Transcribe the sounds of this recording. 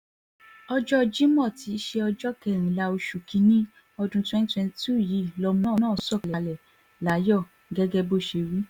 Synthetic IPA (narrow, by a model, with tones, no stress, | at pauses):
ɔ˧d͡ʒɔ˦d͡ʒi˦mɔ̃˦˨ti˨˦ʃe˧ɔ˧d͡ʒɔ˦kɛ˦˨ɾ̃ĩ˨la˨˧o˧ʃu˨kĩ˧˦nĩ˦ | ɔ˧dũ˧twɛ̃˦n˦twɛ̃˧n˨tu˦˨ji˨˦˨lɔ˧mɔ̃˦˨˦nã˦˨sɔ˦˨lɛ˨lɛ˨ | la˨˦jɔ˦˨ | ɡɛ˦ɡɛ˧bo˦˨ʃe˨˧ɾi˨˦